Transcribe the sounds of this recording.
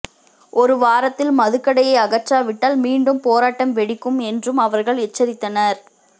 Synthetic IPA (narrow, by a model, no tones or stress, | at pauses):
ʔɔɾɯʋaːɾɐt̪ːɪlmɐðɯkːɐɽɐjɐɪɐɣɐt͡ʃːaːʋɪʈːaːlmiːɳɖɯmpoːɾaːʈːɐmʋɛɽɪkːɯmɛndrɯmɐʋɐɾɣɐɭɛt͡ʃːɐɾɪt̪ːɐnɐɾ